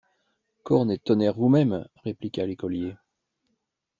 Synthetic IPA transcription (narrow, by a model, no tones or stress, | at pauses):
kɔʁnet̪ɔnɛʁvumɛmʁeplikalekɔlje